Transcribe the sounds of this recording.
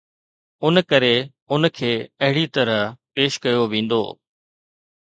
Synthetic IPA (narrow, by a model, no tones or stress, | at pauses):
ʊnkəɾe | ʊnkʰeːɐɦɪɽit̪ɐɾəɦpeːʃkɐjoʋĩːnd̪o̰ː